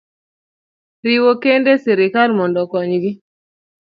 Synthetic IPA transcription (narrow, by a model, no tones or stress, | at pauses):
ɾiwokendesiɾikalmɔndɔkɔɲɡi